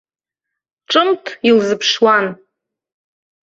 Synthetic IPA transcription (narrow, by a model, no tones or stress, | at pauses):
ʈ͡ʂʼɨmtʰilzɨpʰʂwan